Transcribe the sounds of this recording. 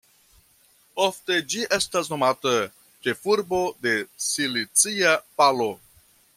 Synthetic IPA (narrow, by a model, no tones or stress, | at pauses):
ofte̞d͡ʒiʔe̞stasno̞matə | t͡ʃe̞fuɾbo̞de̞silit͡siapalo